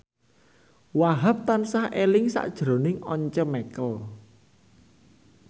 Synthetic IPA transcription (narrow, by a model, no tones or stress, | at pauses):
waɦap̚t̪ansahʔelɪŋsa̰ʔd̥ʒ̥ɾo̤nɪŋɔɲt͡ʃəmɛkəl